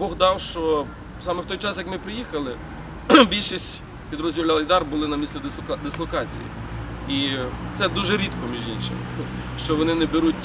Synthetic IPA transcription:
bɔɣd̪ɑwʃt͡ʃɔ | sɑmɛwt̪ɔjt͡ʃɑsjɐkmɪpɾɪjixɐlˠɪ | bʲilʲʃisʲtʲ | pʲid̪ɾɔzʲdʲiwlʲalˠɐjd̪ɑrbʊlˠɪnɐmʲisʲlʲid̪ɪslˠɔkɑt͡sʲḭjḭ | it̪sɛd̪uʒɛɾʲit̪kɔmʲiʒinʃɪmɪ | ʃt͡ʃɔʋɔnɪnɛbeɾutʲ

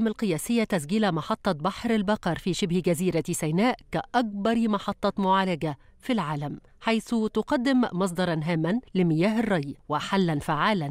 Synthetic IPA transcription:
malqɨjæːsɪjːat̪æs̬ɡiːlamɑħɑt̪ˤːɑbɑħɾɪlbɑqɑɾˤfiːʃɪbhɡæziːɾasæjnæːʔkæʔɑk̚bɑɾˤmɑħɑt̪ˤːɑmʊʕaːlaɡa | filʕaːlæm | ħajθʊt̪ʊqɑd̪ːɪmmːɑs̬ˤd̪ˤɑɾˤɑnɦaːmːanlɪmɪjæːɦɪrˤːɑjwɪħalːænfaʕaːlæn

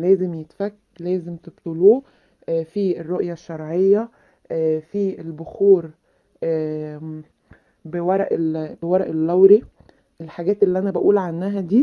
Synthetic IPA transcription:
læːzemjet̪fækː | læːzemt̪ebt̪ˤoluː | fierːoʔjæʃːɑɾˤʕejːæ | fielboxuːɾː | bewɑɾˤʔbewɑɾˤɑʔelːæwɾi | ʔelħaɡæːt̪elːiʔænæbæʔuːlʕanːæɦæd̪iː

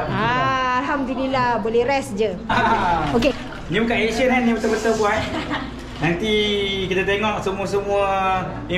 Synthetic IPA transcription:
aːlɦamd̪ulilabolɛɾɛsd͡ʒəaoke | nĩbukaʔeʃənanːibət̪əbət̪əlbuan | nant̪ikit̪at̪eŋɔk̚səmuəsəmuə | i

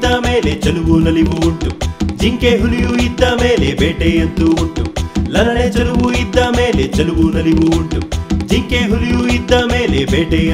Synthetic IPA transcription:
d̪aːmeːlet͡ʃɐluʋunɐliʋuːɳʈud͡ʒiŋkeːɦulijuid̪ːaːmeːlebeːʈeːjɐnt̪uːɳʈulɐlɐɽet͡ʃɐluʋuid̪ːaːmeːlet͡ʃɐluʋuːnɐliʋuːuɳʈud͡ʒiŋkeːɦulijuid̪ːaːmeːlebeːʈe

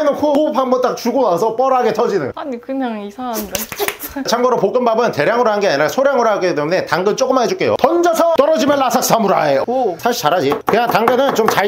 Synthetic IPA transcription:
nɯnkʰuhopʰambʌnt͈ak̚t͡ɕuɡonasʰʌp͈ʌɾaɡe̞tʰʌd͡ʑinɯnaɲikɯɲaŋisʰaande | t͡ɕʰaŋɡʌɾopok͈ɯmbabɯnte̞ɾjaŋɯɾohanɡeaɲinasʰoɾjaŋɯɾoɦaɡit͈emune̞taŋɡɯnt͡ɕ͈ok͈ɯmaɦed͡ʑuk͈e̞jo̰tʌnd͡ʑasʰʌt͈ʌɾʌd͡ʑimjʌnːasʰak̚s͈ʰamuɾa̰esʰaɕʰit͡ɕaɾɦad͡ʑikɯɲaŋtaŋɡɯnɯnt͡ɕomt͡ɕa

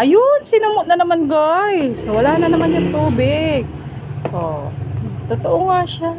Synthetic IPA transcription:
ʔɐjʊnsɪnʊmʊʔ̪̚nɐnɐmanɡajswɐlaːnɐnɐmanjʊŋt̪uːbɪɡ̚ | ʔo | t̪ot̪oʔoŋaʃa

